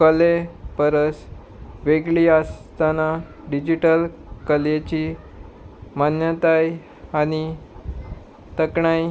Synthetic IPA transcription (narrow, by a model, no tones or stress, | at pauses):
kəlepəɾəs | ʋeɡɭiːast̪ana | ɖid͡ʑiʈəl | kəlet͡ɕi | manjət̪aj | aɽ̃i | t̪əkɳaj